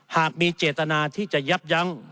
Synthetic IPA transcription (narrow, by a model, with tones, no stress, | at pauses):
haː˨˩k̚miː˧t͡ɕeː˨˩t̪ːa˧naː˧t̪ʰiː˥˩t͡ɕa˨˩ja˦˥p̚ja˧˥˩ŋ